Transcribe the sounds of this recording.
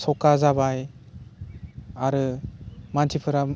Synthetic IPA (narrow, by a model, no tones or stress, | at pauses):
sɔkazabaj | aɾɯmantʰipʰɯɾa